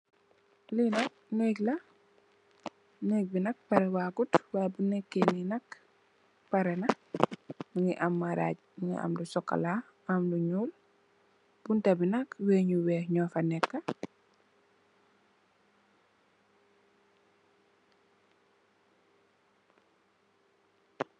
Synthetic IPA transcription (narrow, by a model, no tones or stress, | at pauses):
linɐk̚ | neːklɐ | nɛk̚binɐk̚pɐɾɛwaːɡutwabunɛkːeninɐk | paɾɛnɐ | muŋiʔamːaɾa̰ɟ | mŋḭʔa̰mdusɔkːa̰la | amluɲuːl | b̥untɐbinɐkweːɲuwɛːɲɔfanɛkːɐ